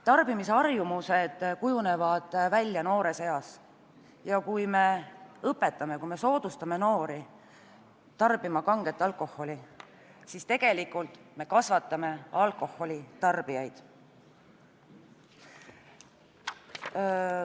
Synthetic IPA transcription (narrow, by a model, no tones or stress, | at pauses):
t̪ɑrb̥imiseɑrjumuse̞d̪̥kujune̞vɑd̪̥vælʲːjɑno̞ːɾe̞se̞jɑs | jɑkujme̞ɤpːe̞t̪ːˑɑme̞kujme̞so̞ːd̪̥ust̪ɑme̞no̞ːɾi | t̪ɑrb̥imɑkɑŋɡ̥e̞t̪ːˑɑlko̞hːo̞lʲi | sist̪e̞ɡ̥e̞likːˑult̪ˑme̞kɑsvɑt̪ˑːɑme̞ɑlko̞ho̞lʲit̪ɑrb̥ijɑjd̪̥